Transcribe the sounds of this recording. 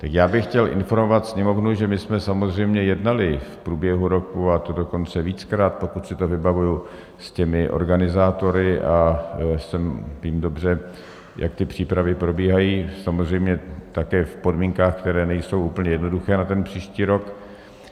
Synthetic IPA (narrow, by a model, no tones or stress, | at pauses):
t̪akjaːbɪxcɛlʔɪ̰nfo̞ɾmovat̪sɲɛmo̞vnuʒɛmɪsmɛsamozr̝ɛjmɲɛjɛdnalɪfpɾuːbjɛɦuɾo̞kuat̪odo̞ko̞nt͡sɛviːt͡skɾaːt̪̚po̞kut̪sɪt̪ovɪbavuju | scɛmɪʔo̰ɾɡanɪzaːt̪o̞ɾɪʔasɛmviːmdo̞br̝ɛ | jʔa̰k̚t̪ɪpr̝̥iːpɾavɪpɾo̞biːɦajiːsamozr̝ɛjmɲɛt̪akɛːfpo̞dmiːŋkaːxkt̪ɛɾɛːnɛjso̞wʔuːpl̩ɲɛjɛdno̞duxɛːnat̪ɛnpr̝̥iːʃciːɾo̞k